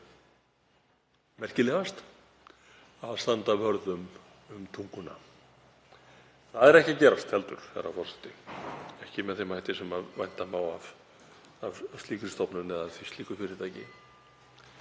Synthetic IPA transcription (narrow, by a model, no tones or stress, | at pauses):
mɛr̥cɪlɛːɣast̪ | aðst̪ant̪avœɾðʏm | ʏmt̪ʰuŋkʏna̰ | θaðɛɾɛhcacɛːɾast̪hɛlt̪ʏɾ̥hɛ̰ɾafɔr̥sɛ̥ht̪ɪɛhcɪmɛðθejmajt̪ɪsɛmavajn̥t̪amaːwav | avst̪liːkɪɾ̥st̪ɔwpnʏmɛðaðθist̪iːkʏfɪɾɪɾt̪ʰaːjcɪ̰